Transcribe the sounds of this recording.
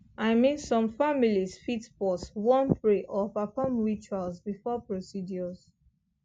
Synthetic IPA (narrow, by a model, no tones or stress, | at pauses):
aɪmĩnsɔ̃mfamilizfitpɔswɔ̃npɹeʔɔpafɔmɹit͡ʃalzbifɔpɹosidjɔz̥